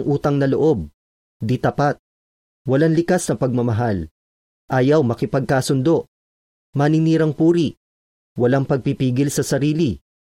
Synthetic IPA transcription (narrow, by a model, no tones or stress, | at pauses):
ŋʔuːt̪ɐŋnɐloʔo̞b̚ | d̪it̪ɐpat̪̚ | wɐlaŋlɪkasnɐpɐɡ̚mɐmɐɦal | ʔaːjɐwmɐkɪpɐɡ̚kaːsʊnd̪o̞ʔ | mɐnɪniːɾɐŋpuːɾiʔ | wɐlaŋpɐɡ̚pipiːɡɪlsɐsɐɾiːli